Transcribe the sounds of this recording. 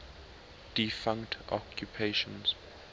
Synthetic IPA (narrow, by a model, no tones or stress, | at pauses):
d̥ifãŋktʔɔ̰kʰjupʰeʃɔ̃ns